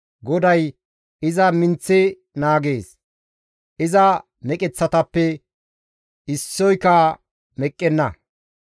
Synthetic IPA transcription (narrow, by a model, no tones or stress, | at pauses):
ɡɔd̪ɐj | ɪzɐmɪnt͡sːɛ | naːɡe̞ːs | ʔɪzɐ | mɛkʼɛt͡sːɐt̪ɐpːɛ | ɪsːɔjka | mɛkʼːɛnːɐ